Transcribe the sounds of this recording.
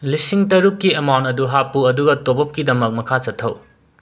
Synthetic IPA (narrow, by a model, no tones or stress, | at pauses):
lisiŋtɐɾukːiɐmawntɐduɦapuɐduɡɐtobɐp̚kidɐmɐk̚mɐkʰat͡ʃɐtʰːɐw